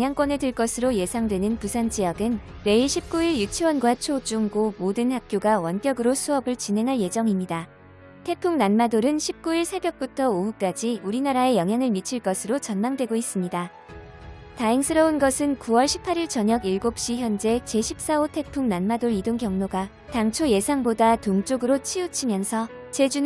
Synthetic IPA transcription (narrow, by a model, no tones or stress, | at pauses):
ŋɦjaŋk͈wʌnedɯɭk͈ʌsʰɯɾoje̞sʰaŋdwe̞nɯnpusʰant͡ɕ͈ijʌɡɯn | ɾe̞iɕʰip̚k͈uiɭjut͡ɕʰiwʌnɡwat͡ɕʰod͡ʑuŋɡomodɯnhak̚k͈joɡawʌnk͈jʌɡɯɾosʰuʌbɯɭt͡ɕinɦe̞ŋɦaɭje̞d͡ʑʌŋimɲida | tʰe̞pʰuŋnanmadoɾɯnɕʰip̚k͈uiɭsʰe̞bjʌk̚p͈utʰʌouk͈ad͡ʑiuɾinaɾae̞jʌŋɦjaŋɯɭmit͡ɕʰiɭk͈ʌsʰɯɾot͡ɕʌnmaŋdwe̞ɡois͈ɯmɲida | taiŋsʰɯɾʌunɡʌsʰɯnkuwʌɭɕʰi̥pʰaɾiɭt͡ɕʌɲʌɡiɭɡop̚ɕ͈içjʌnd͡ʑe̞t͡ɕe̞ɕʰip̚s͈aotʰe̞pʰuŋnanmadoɾidoŋkjʌŋnoɡa | taŋt͡ɕʰoje̞sʰaŋbodatoŋt͡ɕ͈oɡɯɾot͡ɕʰiut͡ɕʰimjʌnsʰʌ | t͡ɕe̞d͡ʑun